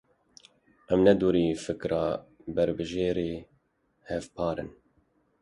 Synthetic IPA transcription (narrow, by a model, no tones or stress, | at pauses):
ʔɛmnɛd̪uːɾiːfɨkɾʔɑːbɛɾbɨʒeːɾeː | hɛvpʰɑːɾɨ̰n